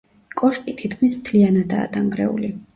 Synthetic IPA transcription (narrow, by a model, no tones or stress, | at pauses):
kʼɔʃkʼit̪ʰit̪kʰmismt̪ʰlianad̪a̰ːd̪aŋɡɾɛ̰ṵli